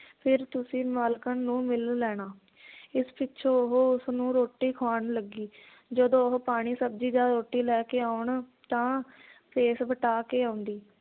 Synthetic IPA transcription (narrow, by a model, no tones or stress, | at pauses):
pʰɪɾt̪ʊsĩːmaːlkənːũːmɪllɛːɽ̃aː | ɪspɪtːʃʰoːʊɦoːʊsnũːɾoːʈːiːkʰaːɳləɡiː | d͡ʒəd̪õːɦopaːɽ̃iːsəb̚d͡ʒiːd͡ʒaɾoːʈːiːlɛːkeːaːʊɳt̪ãːpʰeːsʋəʈaːkeːaːʊnd̪iː